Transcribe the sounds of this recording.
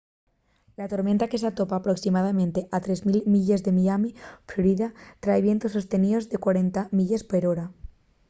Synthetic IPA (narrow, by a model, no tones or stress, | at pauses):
lat̪o̞ɾmẽnt̪ake̞s̬at̪o̞paːpɾo̞ksimað̞amẽnt̪e̞ʔat̪ɾe̞zmilmiʎezðe̞miamifloɾiðat̪ɾaeβje̞nt̪osːo̞st̪e̞niðo̞zðe̞kwaɾe̞nt̪amiʎespeɾoɾa